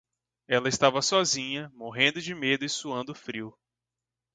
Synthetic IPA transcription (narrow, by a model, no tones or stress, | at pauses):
ɛlɐɪst̪avɐsɔzĩɲɐmoɦẽnd̪ʊd͡ʒɪmed̪ʊɪsuɐ̃nd̪ʊfɾiw